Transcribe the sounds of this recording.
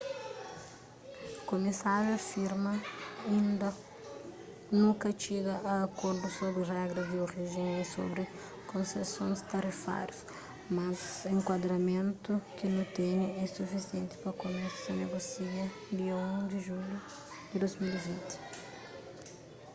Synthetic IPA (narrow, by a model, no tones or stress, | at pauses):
komisaɾjuɐfiɾmɐĩnd̪ɐ | nũŋkɐt͡ʃiɡɐʔaːkoɾd̪ʊsobɾɪrɛɡɾɐzd̪ɪoʁiʒẽniso̰bɾɪ | kʰõsesõjst̪ɐɾifa̰ɾjus | mazẽŋkwad̪ɾɐmẽnt̪ʊkɪnõt̪eɲɐɛsufisiẽnt̪ɪ̥pɾɐkomi̥sɐneɡosiɐ | d̪iɐũd̪ɪʒulu | d̪ɪd̪ojzmilivĩnt̪ɪ̥